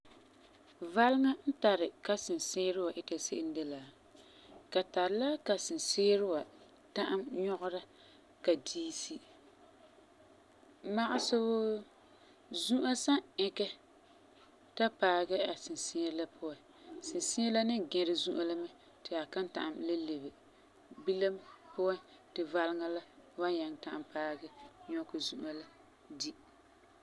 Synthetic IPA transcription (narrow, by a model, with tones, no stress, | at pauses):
va˦lɪ˦ŋa˦n̩˦ta˨ɾɪ˨ka˦sɪ˨nsɪː˦ɾɪ˦wa˨ʔɪ˦ta˨se˦ʔɪ˦n˦de˦laː˨ | ka˨ta˨ɾɪ˨la˦ka˨sɪ˨nseː˦ɾɪ˦wa˨ | ta˦ʔa˦mɲɔ˦ʔʊ˦ɾa˦ | ka˨diː˦si˦ | ma˦ʔa˦sʊ˦bʊ˦ | zu˦ʔa˦sa˦ɪ˦kɛ˦ | ta˦paː˨ɡɛ˦a˨sɪ˨nsɪ˦ɲɛ˦la˦pʰʊ˦wa˨n | sɪ˨nsɪ˦ɛ˦la˦nɪ˦ɡɛ˨ɾɪ˨zu˦ʔa˦la˦mɛ˦˨ | tɪ˨a˨ka˦nta̰˨ʔa˨mle˦le˨bɪ˨ | bi˦la˦mpʊ˦a˦ntɪ˨va˦lɪ˦ŋa˦la˦wa˦ɲa˨ŋta˨ʔa˨mpaː˦ɡɛ˦ɲɔ˦kɨ˨zu˦ʔa˨la˦ | di˦